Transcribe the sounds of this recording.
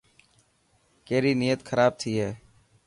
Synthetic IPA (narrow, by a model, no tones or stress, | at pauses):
keːɾiːniːjət̪kʰəɾaːb̚t̪ʰiːɦɛː